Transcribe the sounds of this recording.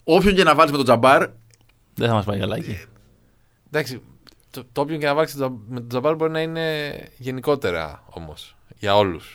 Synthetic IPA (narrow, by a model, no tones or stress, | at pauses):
o̞pço̞ɲce̞nɐvɐlime̞t̪o̞d͡zɐbɐɾ | ðeθɐmɐspɐjkɐlɐci | d̪ɐksi | t̪ot̪oopçoɲcenɐvɐlkstome̞t̪od͡zɐbɐɾbo̞ɾinɐine̞ʝe̞niko̞t̪e̞ɾɐ̰o̞̰mo̞̰s | ʝɐo̞lus